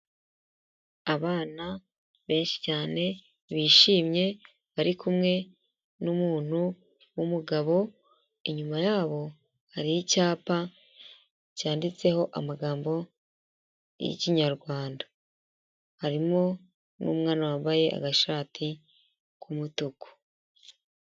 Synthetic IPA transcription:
aβaːna | βe̞ːnʃi̥caːne̞ | βiːʃiːmɲe̞ | βaɾikʰumŋe̞ | numuːn̥hu | wumuɡaβo̞ | iɲumajaːβo̞ | haɾijicaːpa | caːndit͡se̞ho̞ʔa̰maɡaːmbo̞ | jḭciɲaɾɡwaːnda | haɾimo̞ | nṵmŋaːnawaβaje̞ʔa̰ɡaʃaːtʰi | kʰumutuku̥

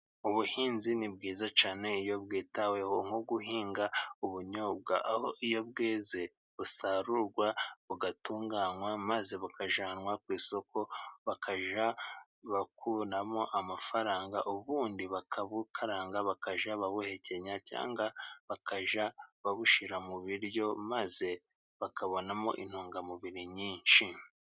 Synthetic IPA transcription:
uβuhiːnzinibɡiːzat͡ʃaːne̞ijo̞βɡiːtawehoŋ̥oɡuhiːŋɡauβuɲoːb̚ɡa̰ʔahoijo̞bɡeːze̞ | βusaɾuɾɡwaβuɡatuːŋɡaːnwamaze̞βakaʒaːnwakwiːso̞kʰo̞βakʰaʒa | βakunamo̞ʔamafaɾaːŋɡa̰ʔuβuːndiβakʰaβukʰaɾaːŋɡaβakaʒaβaβuhe̞ce̞ɲaca̰ːŋɡaβakaʒaβaβuʃiɾamuβiɾjo̞maze̞ | βakʰaβo̞namo̞̰ʔḭn̥huːŋɡamuβiɾiɲiːnʃi

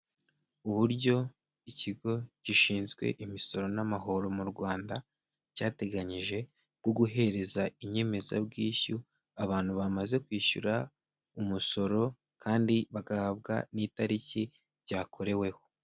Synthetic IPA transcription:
uβuɾɟo̞ | iciɡo̞ciʃiːnzɡwe̞̰ʔimiso̞ɾo̞namaɦo̞ɾo̞muɾɡwaːnda | caːte̞ɡaɲiʒe̞ | ɡwoɡuɦe̞ɾe̞zaiɲe̞me̞za̰bɡiːçu | aβaːn̥huβamaze̞kwiːʃṵɾa | umuso̞ɾo̞ | kʰaːndiβaɡahaβɡa̰niːtaɾici | bɟaːkʰo̞ɾe̞we̞ho̞̥

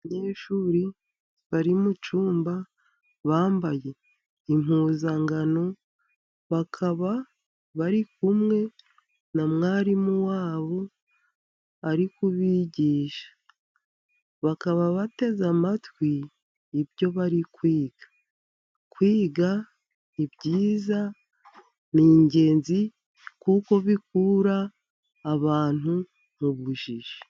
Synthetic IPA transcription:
ɲe̞ːʃuːɾi | βaɾimut͡ʃuːmba | βaːmbaje̞ | im̥huːzaŋɡano̞ | βakʰaβa | βaɾikumŋe̞ | namŋaːɾimuwaːβo̞ | aɾikuβiːɟiːʃḁ | βakaβaβate̞zamatwiː | bjo̞βaɾikwiːɡ̥ḁ | kwiːɡa | ibɟiːza | niːɲɟe̞ːnzi | kuko̞βikuɾaː | βaːn̥u | muβuʒiʒe

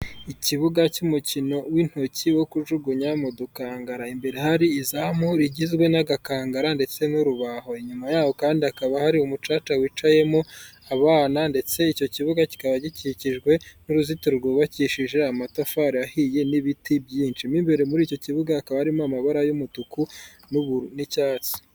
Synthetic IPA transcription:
iciβuɡacumucino̞win̥hociwo̞kuʒuɡuɲamodukaːŋɡaɾaimbe̞ɾehaɾiːzamoɾiɟizɡwe̞naɡakaːŋɡaɾande̞t͡se̞nuɾuβaɦo̞iɲumajaːβo̞kaːndiakaβahaɾiumut͡ʃaːt͡ʃawit͡ʃaje̞moaβaːnande̞t͡se̞ico̞ciβuɡaci̥kaβaɟiciciʒɡwe̞nuɾuzituɾɾɡoβaciʃiʒe̞amatafaːɾiahije̞niβitʰibɟiːnt͡ʃimiːmbe̞ɾemuɾiːco̞ciβuɡaːkaβahaɾimoamaβaɾajumutuku | nuβnicaːt͡si̥

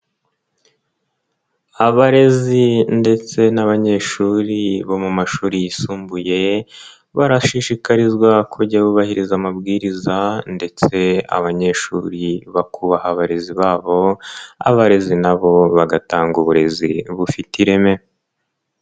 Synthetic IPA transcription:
aβaɾe̞zinde̞t͡se̞naβaɲe̞ʃuːɾiβo̞mumaʃuːɾijisuːmbuje̞ | βaɾaʃiʃikaɾizɡwakʰuɟaβuβahiɾizamabɡiːɾizande̞t͡se̞a̰βaɲe̞ʃṵːɾiβakuβahaβaɾe̞ziβaːβo̞a̰βaɾe̞zinaβo̞βaɡataːŋɡuβuɾe̞zḭβufitiɾeme̞

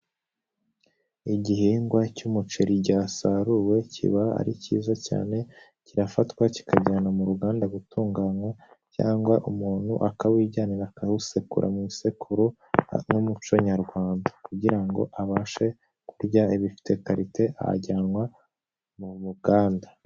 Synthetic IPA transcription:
iɟihiːŋɡwacumut͡ʃeɾiɟaːsaɾuwe̞cʰḭβaa̰ɾicḭːzaca̰ːne̞ | ciɾafatkwaci̥kaɟaːnamuɾuɡaːndaɡutuːŋɡaɲwa | ca̰ːŋɡwaʔumuːn̥hṵʔakaβwiːɟaːniɾakahusekṵɾʔa̰mŋisekʰuɾu | ŋumut͡ʃoɲaɾɡwaːndakuɟiɾaŋɡo̞̰ʔaβaːʃe̞ | kuɾɟaiβifi̥te̞kaɾitʰe̞ʔa̰ɟaːnwa | mumuɡaːndḁ

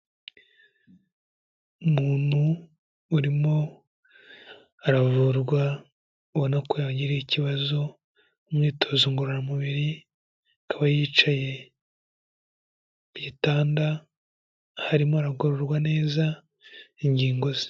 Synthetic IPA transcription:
umuːn̥huː | ɾimo̞ | aɾavuɾɡwa | uβonakojaɟiɾiiciβazo̞ | umŋiːtʰo̞zoŋɡoɾoɾamuβiɾi | kʰaβajiːt͡ʃaje̞ | β̥jiːtaːnda | haɾimoaɾaɡoɾoɾɡwane̞ːza | iɲɟiːŋɡo̞zi̥

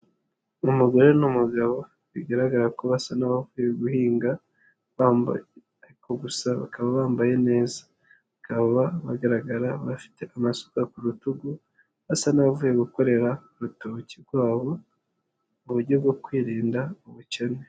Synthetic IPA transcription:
umuɡo̞ɾe̞numuɡaβo̞ | βiɡaɾaɡaɾakoβasanaβavuːje̞ɡuhiːŋɡa | βaːmba̰je | aɾikʰo̞ɡusaβa̰kaβaβaːmbaje̞ne̞ːzḁ | βakaββaβaɡaɾaɡaɾaβafi̥te̞ʔamaso̥kakuɾutuɡu | βasanaβavuːje̞ɡuko̞ɾe̞ɾauɾutocibɡwaːβo̞ | uβuɾɟo̞bɡo̞kwiːɾiːndauβucene

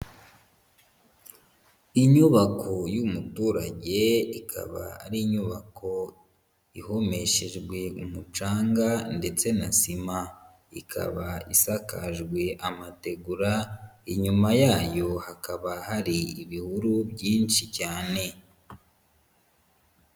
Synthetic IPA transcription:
iɲuβakʰo̞jumutuːɾa̰ɟe̞ikʰa̰βa̰a̰ɾiːɲuβakʰo̞ | iho̞me̞ʃe̞ʒɡwe̞umut͡ʃaːŋɡande̞t͡se̞nasima | ikʰa̰βaisakaʒɡwe̞ʔamate̞ɡuɾaiɲumajaːjo̞hakaβahaɾiiβihuɾubɟiːnʃicaːne̞

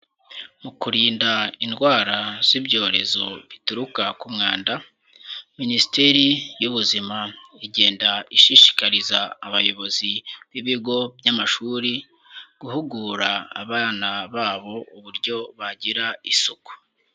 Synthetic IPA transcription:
mukuɾiːndainɡwaːɾaz̥ibɟo̞ːɾe̞zo̞βituɾukakumŋaːnda | ministeɾijuβuzimaiɟe̞ːndaiʃiʃi̥kaɾizaːβajo̞βo̞ziβiβiɡo̞bjamaʃuːɾi | ɡ̥uhuɡuɾa̰ːβaːnaβaːβo̞uβuɾɟo̞βaɟiɾaisuku̥

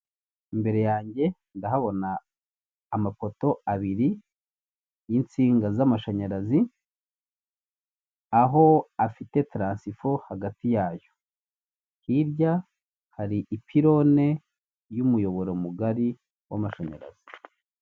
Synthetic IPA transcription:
imbe̞ɾe̞jaːɲɟe̞ | ndaɦaβo̞naː | mapo̞to̞aβiɾi | jint͡siːŋɡazamaʃaɲaɾazi | aɦo̞afite̞tɾaːnsifohaɡatijaːjo̞ | hiɾɟa | haɾiʔipʰiɾo̞ne̞ | jumujo̞βo̞ɾomuɡaɾi | wa̰maʃaɲa̰ɾa̰z̥i̥

